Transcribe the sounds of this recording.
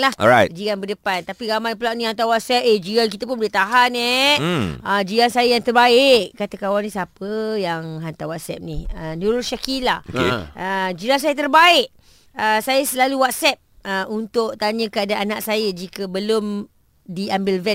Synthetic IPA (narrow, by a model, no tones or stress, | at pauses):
lahɔajd͡ʒiɡanbədəpant̪apiɡamajpəlaʔnĩhant̪awat̪̚sɛp̚ed͡ʒiɡank̬it̪apʊnbulet̪aɦanɛ | əd͡ʒiɡansajəjaŋt̪ərbaɪʔkːat̪akawanĩsapəjaŋɦant̪awat̪̚sɛ̰p̚nihənuloʃakilaokḛʔəd͡ʒilans̬ajət̪ərbaɪʔ | əsajəsəlaluwat̪̚sɛp̚əunt̪ʊʔt̪aɲəkəadaanaʔsajəd͡ʒikəbəlʊm | diambɪlvɛ